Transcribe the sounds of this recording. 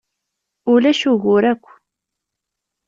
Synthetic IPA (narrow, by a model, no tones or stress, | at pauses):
ʊlæʃʊɣʊɾækʷː